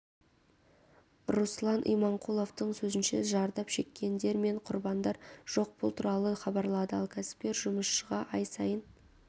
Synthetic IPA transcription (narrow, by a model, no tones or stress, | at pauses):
ruslˠɑnʔijmɑɴqʰulˠo̞ft̪əɴsɵzɪnʃeʒɑɾd̪ɑpʃe̞kʲːe̞nd̪e̞ɾme̞ɴqʰʊɾbɑnd̪ɑɾʒ̥o̞q̚pʊlˠt̪ʰuɾɑlˠəχɑbɑɾlˠɑd̪əɑ̰lˠkʲʰæsɪ̥p̚kʲe̞ɾʒʊməsʃəʁɑʔɑjsɑjən